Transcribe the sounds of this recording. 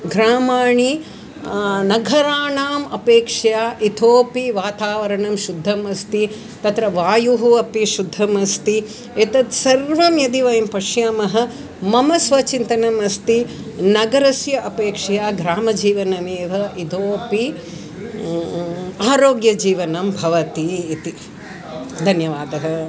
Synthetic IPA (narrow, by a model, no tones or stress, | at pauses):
ɡɾaːmaːɳi | nɐɡʱɐɾaːɳaːmɐpeːkʂɐjaːʔit̪ʰoːpiʋaːt̪aːʋɐɾɐɳɐmʃud̪ʱːɐmɐst̪i | t̪ɐt̪ɾɐʋaːjuɦuɐpiʃud̪ʱːɐmɐst̪i | et̪ɐt̪sɐɾʋɐmjɐd̪iʋɐjɐmpɐʃjaːmɐɦɐ̆ | mɐmɐsʋɐt͡ʃint̪ɐnɐmɐst̪i | nɐɡɐɾɐsjɐʔɐpeːkʂɐjaːɡɾaːmɐd͡ʒiːʋɐnɐmeːʋɐʔit̪ʰoːpi | aːɾoːɡjɐd͡ʒiːʋɐnɐmbʱɐʋɐt̪iːt̪i | d̪ʱɐnjɐʋaːd̪ɐɦɐ̆